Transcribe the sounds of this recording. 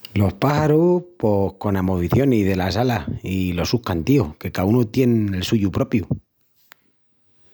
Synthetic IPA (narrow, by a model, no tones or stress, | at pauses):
lo̞hpaxaɾupo̞hko̞namoβiθjo̞niðe̞lasalahilo̞suhkant̪ioke̞kaunut̪je̞ne̞lsuʝupɾo̞pju